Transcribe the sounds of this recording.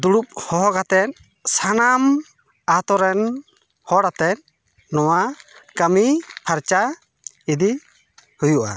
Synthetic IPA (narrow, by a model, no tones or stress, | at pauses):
d̪uɽup̚hɔɦɔɡat̪ɛt̪̚ | sanam | at̪ɔɾɛn | hɔɽat̪ɛn̚ | nɔwakamipʰaɾt͡ʃa | id̪i | hujuʔa̰